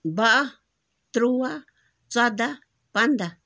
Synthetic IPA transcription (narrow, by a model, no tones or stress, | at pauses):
βaʔa | t̪ɾuβa | t͡sad̪a | pand̪a